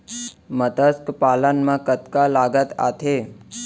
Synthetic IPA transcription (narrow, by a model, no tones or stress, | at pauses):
mət̪əskpalənmãkət̪kalaɡət̪a̰t̪ʰe